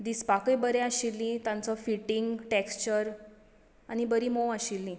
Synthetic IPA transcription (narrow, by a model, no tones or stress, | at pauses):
d̪ispakəjbəɾɛ̃aɕilːĩt̪ãnt͡sɔfiʈiŋɡʈekst͡ɕəɾ | añibəɾiːmoʋəɕilːĩ